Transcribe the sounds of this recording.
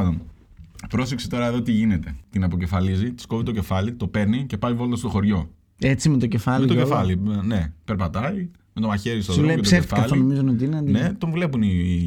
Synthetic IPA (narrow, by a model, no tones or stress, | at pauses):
d̪on | pɾo̞seksi̥t̪o̞ɾɐeðo̞t̪iʝine̞t̪e̞t̪inɐpo̞ce̞fɐlizit̪i̥skovit̪oce̞fɐlit̪o̞peɾnice̞pɐjvo̞lt̪ɐst̪o̞xo̞ɾʝo̞ | et͡simet̪oce̞fɐlmet̪oefɐline̞pe̞ɾpɐt̪ɐi | me̞t̪o̞mɐçe̞ɾist̪oðoeeosefekɐloinomizonot̪iinɐnet̪oɱvule̞puni